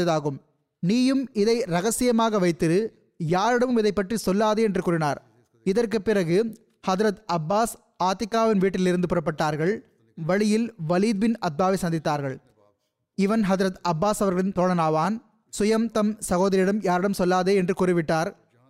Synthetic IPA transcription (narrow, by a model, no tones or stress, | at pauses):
ɐðaːɣɯm | niːjɯmɪðɐɪɾɐɣɐsɪjɐmaːɣɐʋɐɪt̪ːɪɾɯ | jaːɾɪɽɐmɯmɪðɐɪpːɐʈrisɔlːaːðeːɛndrɯkuːɾɪnaːɾ | ɪðɐrkɯpːɪrɐɣɯ | hɐðɾɐt̪ɐbːaːs | aːt̪ːɪkːaːʋɪnʋiːʈːɪlɪɾɯnd̪ɯpʊɾɐp̬ːɐʈːaːɾɣɐɭ | ʋɐɭɪjɪlʋɐliːd̪̚bɪnɐd̪̚baːʋisɐnd̪ɪt̪ːaːɾɣɐɭ | ɪʋɐnɦɐðɪɾɐt̪ɐbːaːsɐʋɐɾɣɐɭɪnt̪oːɳɐnaːʋaːn | sʊjɐmt̪ɐmsɐɣoːðɐɾɪjɪɽɐmjaːɾɪɽɐmsɔlːaːðeːɛndrɯkuːrɪʋɪʈːaːɾ